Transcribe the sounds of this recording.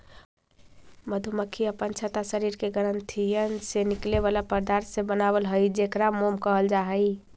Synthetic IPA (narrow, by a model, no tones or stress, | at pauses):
məd̪ʱuməkʰːiəpənt͡ʃʰət̪asəɾiɾkeɡəɾənt̪ʰijənsenikleβalapəɾd̪aɾsebənaβəlɦəjd͡ʒekɾamomkəɦəld͡ʒaɦəj